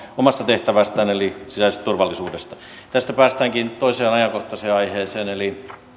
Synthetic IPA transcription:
omɑst̪ɑt̪eht̪æʋæst̪æːnelisisæisest̪t̪urʋɑlːisuːdest̪ɑ | t̪æst̪æpæːst̪æːŋkint̪oiseːnɑjɑkoht̪ɑseːɑiheːseːneli

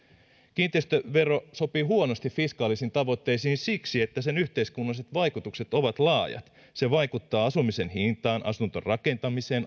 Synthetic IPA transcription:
kint̪ˑest̪øʋe̞ro̞so̞piːɦuonost̪iffiskɑːlisint̪ɑʋo̞t̪ːeisiːnsiksie̞t̪ːæsenyht̪eiskunːɑliset̪ʋɑikut̪ukse̞t̪o̞ʋɑt̪lɑːjɑ̰t̪ | se̞ʋɑikut̪ːɑːɑsumisenhint̪ɑːnʔɑ̰sunt̪o̰rrɑke̞nt̪ɑmise̞ːn

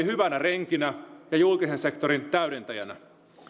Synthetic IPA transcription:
ihyʋænæreŋkinæjɑjulkisense̞kt̪oɾint̪æyɾent̪æjæ̰næ̰

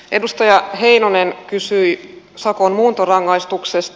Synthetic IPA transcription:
ʔe̞dust̪ɑjɑhe̞inonenkysyi | sɑkonmuːnt̪orɑŋːɑist̪uksest̪

